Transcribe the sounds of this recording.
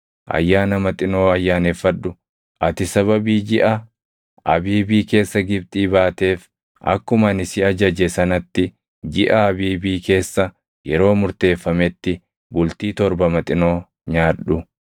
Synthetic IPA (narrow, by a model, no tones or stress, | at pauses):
ʔɐ̰jːaːnɐmɐt̪ʼɪno̞ːɐjːaːnefːɐᶑːʊ | ʔɐt̪ɪsɐβɐbiːd͡ʒɪʔɐ | ʔɐbiːbiːke̞ːsːɐɡɪb̚t̪ʼiːbaːt̪e̞ːf | ʔɐ̰kːʊmɐnɪsɪɐd͡ʒɐd͡ʒɛsɐnɐt̪ːɪ | d͡ʒɪʔɐːbiːbiːke̞ːsːɐ | jɛɾo̞ːmʊɾt̪e̞ːfːɐmɛt̪ːɪ | bʊlt̪iːt̪ɔɾbɐmɐt̪ʼɪno̞ː | ɲaːᶑʊ